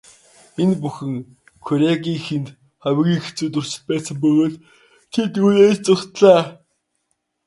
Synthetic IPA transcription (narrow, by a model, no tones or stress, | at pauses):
enpuxɘ̆ŋ | kʰʊɾʲaɣʲiːŋxent̪ | χawʲɣʲiːŋxe̥t͡suːt̪ɵr̥sɪ̥̆t̪pæːsə̆mpɵɣoːɮ | t̪ʰet̪uneɮt͡sʊkt̪ɮæː